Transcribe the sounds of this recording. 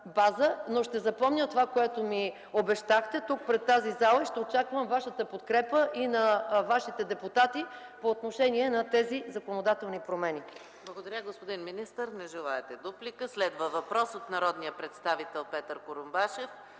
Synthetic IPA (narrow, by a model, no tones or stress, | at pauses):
bazənoʃt̪ɛzɐpɔmnʲət̪ovakoɛt̪omi | obɛʃt̪axt̪ɛt̪uk̚pɾɛt̪ːazizalˠəiʃt̪ɛot͡ʃakvəmvaʃət̪əpot̪kɾɛpəʔinɐvaʃit̪ɛd̪ɛpʊt̪at̪i | poːt̪noʃɛniɛnɐt̪ɛzizɐkonod̪at̪ɛlˠnipɾomɛni | blˠɐɡod̪ɐɾʲaɡospod̪inminist̪əɾnɛʒɛlˠaɛt̪ɛd̪uplikəslɛd̪vəvɐpɾɔsot̪nɐɾɔd̪nijəpɾɛt̪st̪avit̪ɛlˠpɛt̪əɾkoɾʊmbaʃɛf